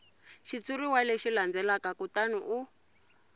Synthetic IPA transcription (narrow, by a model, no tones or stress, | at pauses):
ʃit͡suɾiwalɛʃiland͡zɛlakakutanuʔu